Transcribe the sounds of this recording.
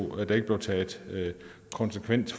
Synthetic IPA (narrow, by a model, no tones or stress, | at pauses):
æd̥ɑ̈e̝ɡ̥b̥le̝ʊt͡sʰɛ̥ː | kʰɒ̽nsəkʰʋen̰d̥